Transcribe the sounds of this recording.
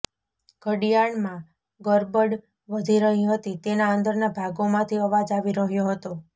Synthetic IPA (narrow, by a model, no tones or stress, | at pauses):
ɡ̥ʱəɽijaɳmã | ɡəɾbəɽ | ʋəd̪ʱiɾəɦĩɦət̪it̪enaənd̪əɾnabʱaɡomãt̪ʰiəʋad͡ʒaʋiɾəɦjoɦət̪o